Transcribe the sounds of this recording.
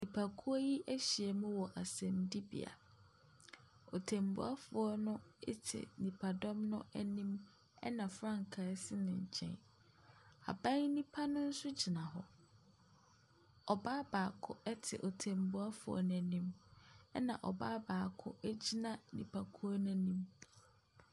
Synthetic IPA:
nĩ˨pʰa˨kʰu˦a˦ji˦ʔæ˦ɕi˨ɛ˨mʊ̃˦wɔ˨ʔa˨sɛ̃˨mdi˦bḭ˨a̰˨ | o˨tʰẽ˨mbṵ˦a˦fʊ˨ɔ˦nʊ̃˦ɪ˦tʰɪ̰˨nĩ˨pʰa˨dɔ̃˦mnʊ̰̃˦ɛ˦nĩ˦m | ɛ̰˦nã˨fɾã˦ŋkʰa˨˦sɪ˦nɪ̃˨ɲ̩˨t͡ɕʰɛ̰̃˨n | a̰˨bã˦ŋnĩ˦pʰa˦nʊ̃˦n̩˦sʊ˦d͡ʑi˨nã˨ɦɔ˨ | ɔ˨baː˦baː˨kʰʊ˦ɛ˦tʰɪ̰˨ʔo˨tʰẽ˨mbu˦a˦fʊ˨ɔ̰˨nʊ̃˨æ˨nĩ˦mɛ˦nã̰˨ʔɔ˨baː˦baː˨kʰʊ̰˦ʔɛ˦d͡ʑi˦nã˨nḭ̃˨pʰa˨kʰu˦ɔ˦nʊ̃˦nĩ˦m

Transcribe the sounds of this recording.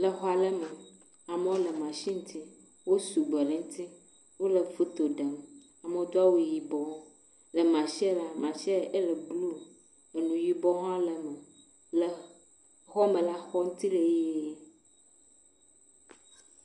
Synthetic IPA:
lɛ˨xɔ˦a˨lɛ˦me˨ | a˨me˦wo˦le˨mã˨ʃi˦ŋ̩˦t̪ʰi˦ | wo˦su˨ɡ͡be˨lɛ˨ŋ̩˦t̪i˦ | wo˦le˨fu˦t̪o˨ɖe˨m | a˨me˨wo˦d̪o˦a˦wu˨˦˨ji˨bɔ˦ | le˨mã˨ʃɛ˦la˦mã˨ʃɛ˦lɛ˨ɡ͡blu˦ | e˨nũ˨ji˨bɔ˦ɦɔ̃˦le˨me˨ | le˨ | xɔ˦me˨la˦xɔ˦ŋũ˦t̪i˦le˨je˦

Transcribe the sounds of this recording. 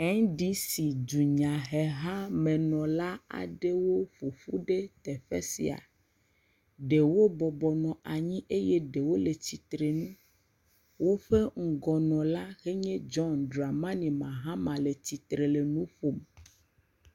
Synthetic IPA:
ɛ˦ŋɖi˦si˨d͡ʒu˨ɲã˨ɦɛ˨ɦã˦mẽ˨nɔ̃˨la˦a̰˨ɖe˦wo˦ɸu˨ɸu˦ɖe˦t̪ɛ˨ɸḛ˦sḭ˨a̰˨ | ɖe˨wo˦bɔ˨bɔ˨nɔ̃˨ʔa˨ɲĩ˦ʔe˦je˦ɖe˨wo˦le˨t͡ɕi˨t̪ɾe˨nũ˦ | wo˦ɸe˦ŋ̩˨ɡɔ˨nɔ̃˨la˦ɣe˦ɲɛ̃˦d͡ʒɔ˦ndɾa˨mã˦nĩ˨mã˨ɦã˦mã˨le˨t͡ɕi˨t̪ɾe˨le˨nũ˦ɸo˨m˨

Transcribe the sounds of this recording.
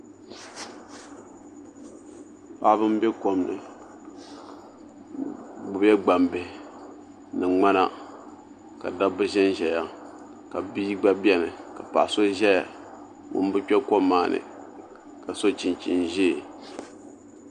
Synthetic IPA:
pa˨˦βɨ˦m˦bɛ˦ko˨mnɨ̰˨ | ɡ͡bʊ˨bɛ˦ɡ͡ba˨mbɛ˨ | nɨ˨ŋ͡ma˦na̰˦ | ka̰˨da˦bɨ˦ʒɛ˦nʒɛ˨ja˦ | ka˨bi˦ɡ͡ba˦bi˦ɛ˦nɨ˨ka˨pa̰˨so˦ʒɛ˦a˨ | ŋʊ̰˨n˦bɨ˦t͡ʃɛ˦ko˦mːaː˨nɨ̰˨ | ka˨so˦t͡ʃi˨nt͡ʃi˨nʒe˦˨

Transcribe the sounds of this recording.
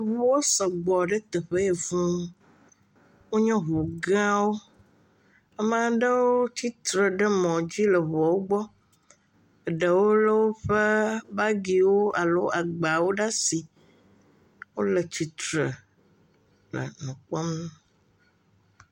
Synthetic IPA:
βu˦wo˦sɔ˨ɡ͡bɔ˨ɖə˦t̪ɛ˨ɸə˦e˨vũ˦ | wo˦ɲɔ̃˦ɦu˨ɡã˦wo˦ | ɛ˦mã˦ɖə˦wo˦ti˦t̪ɾə˨ɖə˦mɔ̃˨d͡ʑi˦lə˨βɔ˨wo˦ɡ͡bɔ˦˨ | ɖə˨wo˦lə˦wo˦ɸə˦ba˦ɡi˨wo˦a˨lo˦a˨ɡ͡ba˨wo˦ɖa˦si˨ | wo˦lə˨t͡ɕi˨t̪ɾə˨ | lə̰˨nũ˨k͡pɔ˦m˦

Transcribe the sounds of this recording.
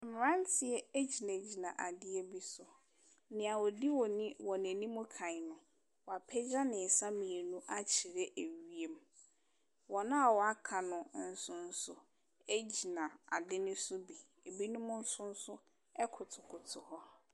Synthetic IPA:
m̩˨m˨ɾã˦n˦tʰɪ˨ɛ˦e˦d͡ʑi˨nã˨d͡ʑi˨nã˨ʔa˨dɪ˦e˦bi˦sʊ˨˦ | nɪ̃˨a˨wɔ˨di˦wɔ˨nĩ˦wɔ˨nɛ̃˨nĩ˦mʊ̃˦kʰã˨ɪ˨nʊ̃˨ | wɔ˨a˨pʰɛ˦d͡ʑa˦nɪ̃˨sa˦mĩ˨e˨nũ˦ʔa˦t͡ɕʰi˨ɾe˦ʔe˨ɥi˨e˨m | wɔ˨nʊ̃˦a˨wɔ˨a˦kʰa˨nʊ̃˨n̩˦sʊ̃˦n̩˦sʊ˦ | e˦d͡ʑi˨nã˨a̰˨dɪ˦nʊ̃˦sʊ˦bi˨ | e˨bi˦nʊ̃˦mʊ̃˦n̩˦sʊ̃˦n̩˦sʊ˦ | ɛ˦kʰʊ˨tʰʊ˨kʰʊ˨tʰʊ˨hɔ˦

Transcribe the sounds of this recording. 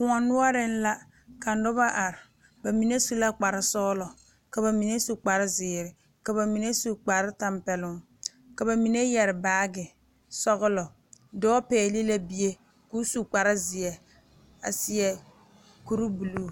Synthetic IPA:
kʊ˨ŋɔ˨nʊ˦ɔ˦ɾɪ˦n̩˦la˦ | ka˨n˦dɔ˦ba˦ʔa˨ɾɪ˨ | ba˨mi˨ne˦su˦la˦k͡pa˨ɾɪ˦sɔ˦lɔ˨ | ka˨βa˨mi˨ne˦su˨k͡pa˨ɾɪ˦zɪː˨ɾɪ˨ | ka˨ba˨mi˨ne˦su˨k͡pa˨ɾɪ˦ta˦mpɛ˨lʊ˦ŋ | ka˨ba˨mi˨ne˦jɛ˨ɾɪ˨baː˦ɡɪ˨ | sɔ˦ɣʊ˦lɔ˨ | dɔː˦pɛː˨li˦la˦bi˦je˦ | ku˦su˨k͡pa˨ɾɪ˦zɪ˨ɛ˨ | a̰˨sɪ˨ɛ˨ | ku˦ɾu˦bu˨lu˦˨

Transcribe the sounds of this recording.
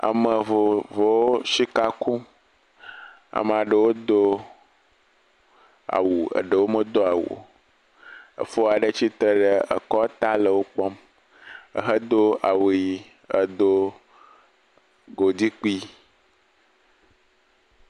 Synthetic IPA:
a̰˨mə˨vo˨vo˨wo˦ʃi˦ka˦ku˦ | a̰˨m˨a˨ɖə˨wo˦d̪o˦ | a̰˨wu˨ə̰˨ɖə˨wo˦mə˦d̪o˦a˨wo̰˨ | ə̰˨fo˦a˨ɖə˦t͡ɕi˦t̪ə˦ɖə˨ə̰˨kɔ˦t̪a˦lə˨wo˦k͡pɔ˦m | ə̰˨ɦə˦d̪o˦a˨wu˨ji˨ | ə˨d̪o˦ | ɡo˨d̪i˦k͡pi˦

